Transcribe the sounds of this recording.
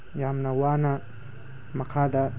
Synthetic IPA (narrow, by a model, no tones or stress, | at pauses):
jamnɐwanɐ | mɐkʰad̪ɐ